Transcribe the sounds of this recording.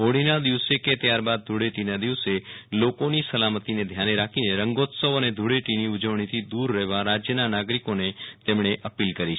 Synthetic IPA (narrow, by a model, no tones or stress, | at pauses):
ɦoɽinad̪iʋseket̪jaɾbad̪̚ːʱuɽeʈinad̪iʋselokonisəlamət̪ined̪ʱjaneɾakʰineɾəŋɡot̪səʋəned̪ʱuɽeʈiniʊd͡ʒəʋɳ̃it̪ʰid̪uɾːɛɦʋaɾad͡ʒjənanaɡɾikonet̪emɳ̃eʔəpilkəɾit͡ʃʰ